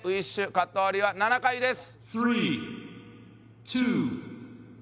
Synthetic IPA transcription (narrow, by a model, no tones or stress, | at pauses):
ɯiɕɨkat̪ːoaɾʲiβananakaid̪e̞sɨ̥ | θɾi | tʰu